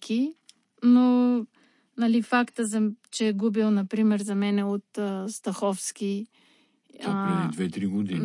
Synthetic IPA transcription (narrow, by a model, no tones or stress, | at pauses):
kʰi | no | nɐlifakt̪əzɐt͡ʃɛɛɡubilˠnɐpɾimɛɾzɐmɛnɛot̪əst̪ɐxɔfskʲi | ɾɛd̪id̪vɛt̪ɾiɡod̪ḭn